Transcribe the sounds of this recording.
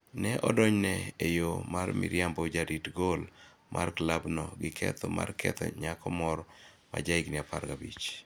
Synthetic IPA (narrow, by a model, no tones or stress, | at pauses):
nɛʔɔdɔɲnɛejomarmɪ̰ɾjambod͡ʒaɾitɡol | mʔarklabnɔɡɪkʰɛ̰t̪ʰɔma̰rkʰɛ̰t̪ɔ̰ɲakɔmɔɾɔ | ma̰d͡ʒaɪknɪapa̰ɾɡabit͡ʃ